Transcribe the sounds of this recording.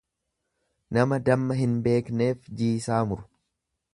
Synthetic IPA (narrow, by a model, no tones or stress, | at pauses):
nɐmɐd̪ɐmːɐɦɪnbe̞ːkne̞ːfd͡ʒiːsaːmʊɾʊ̥